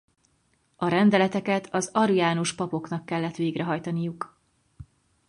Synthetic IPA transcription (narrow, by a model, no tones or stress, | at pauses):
ɒɾɛnd̪ɛlɛt̪ɛkɛt̪ʰɒzɒɾujaːnoʃpɒpo̞kn̪ɒkːɛlːɛt̪ʋeːɡrɛɦɒjt̪ɒnijuk